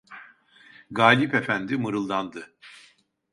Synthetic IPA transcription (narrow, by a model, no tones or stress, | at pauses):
ɡaːlʲipe̞fænd̪imɯɾɯlˠd̪and̪ɯ